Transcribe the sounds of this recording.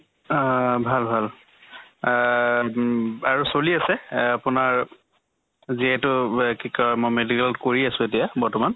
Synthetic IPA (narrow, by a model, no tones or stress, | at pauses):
bʱalbʱal | aɹusoliasɛapʊnaɹ | ziɛtʊkikmɔmedikalkoɹiasʊ̃etijabɔɹtɔman